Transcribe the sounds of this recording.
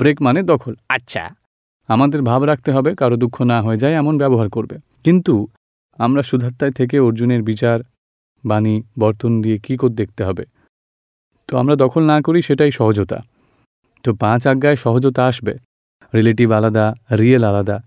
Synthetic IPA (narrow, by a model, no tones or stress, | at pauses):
bɾekmaned̪ɔkʰolatːɕʰa̰ | amad̪eɾbʱabɾakʰt̪eɦɔbekaɾod̪ukʰːonaɦoed͡ʑaeɛmonbɛboɦaɾkoɾbe | kint̪u | amɾaʃud̪ʱat̪ːaet̪ʰek̬eoɾd͡ʑuneɾbit͡ɕaɾ | banibɔɾt̪ond̪iekikoɾ̚d̪ek̚ʰt̪eɦɔbe | t̪oa̰mɾad̪ɔkʰolnakoɾiʃeʈajʃɔɦod͡ʑot̪a̰ | t̪opãt͡ɕaɡːaeʃɔɦod͡ʑot̪aaʃbe | ɾileʈibalad̪aɾielalad̪a